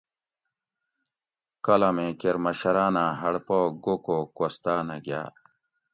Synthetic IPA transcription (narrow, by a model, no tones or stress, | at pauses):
kɐlɐmẽkeɾmɐɕɐɾaːnaɦɐɽpoːɡokokost̪aːnaɡja̰ː